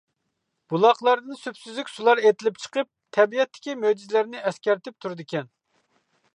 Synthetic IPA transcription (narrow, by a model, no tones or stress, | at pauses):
b̥ulˠɑχlˠɑɾd̪ɨnsypsyzlykʲsulˠɑɾet̪ʰɪlɪp̚t͡ʃʰə̥qəp̚t̪ʰɛbijɛt̪ʰːɪ̥kʲimød͡ʒizlæɾnɪʔɛskʲæɾt̪ʰɪp̚t̪ʰuɾɨd̪ɪkʲɛn